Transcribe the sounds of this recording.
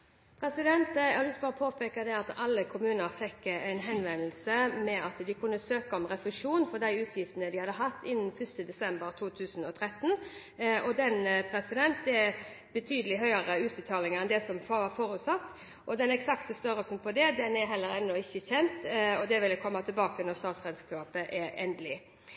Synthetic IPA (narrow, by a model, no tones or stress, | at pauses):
pʰɾɛsɪd̪ɛnt̪æhɑlɪst̪̚bɑːɾəpʰoːpʰɛkəd̪ɛɑt̪ɑlːəkʰʊmʉːnəɾfɛkːæɪnɦɛnʋɛnlsəmɛɑt̪d̪ɪkʰʉnːəsøːkɑɔmʁɛflɪʂuːnfɔʁd̪æɪʉːt̪ʰjɪft̪ənəd̪ɪhɑd̪ːəɦɑt̪ːɪnːn̩fʏst̪əd̪ɛsɛmbəɾt̪ʰuːt̪ʰʉːsən̩ɔt̪ʰɾɛt̪ːən | ɔd̪ɛnpʰɾɛsɪd̪ɛnt̪̚d̪ɛ | bət̪ʰyːd̪əlɪɦœʏəɾəʉːt̪̚bət̪ʰɑːlɪŋəɾɛnd̪ɛsɔmffoːɾʉt̪sɑt̪ː | ʔɔd̪ɛnɛksɑkt̪əst̪œɾɔpsnpʰɔd̪ɛd̪ɛnɛɾɦɛlːəɾɛnːɔɪçːəçɛnt̪ɔd̪ɛʋɪlːəkʰɔmːɑt̪ʰɪlbɑːkənɔʁst̪ɑːt̪sʁɛd̪skɑːpəʔɛʔɛnd̪əlɪ